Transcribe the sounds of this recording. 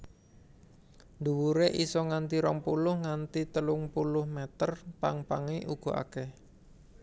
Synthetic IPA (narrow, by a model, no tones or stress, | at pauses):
nd̪uwuɾeʔisɔŋant̪iɾɔŋpulʊhŋant̪it̪əlʊŋpulʊhmɛt̪ərpaŋpaŋiʔuɡ̥ɔ̤a̰kɛh